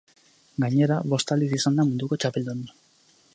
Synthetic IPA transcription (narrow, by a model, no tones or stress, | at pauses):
ɡaɲe̞ɾaβo̞st̪ald̪isisand̪amund̪uko̞t͡ʃape̞ld̪un